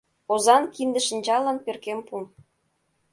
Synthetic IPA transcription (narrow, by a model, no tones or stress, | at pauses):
ozɑnkind̪ə̆ʃə̆nʲt͡ɕɑlənperkempum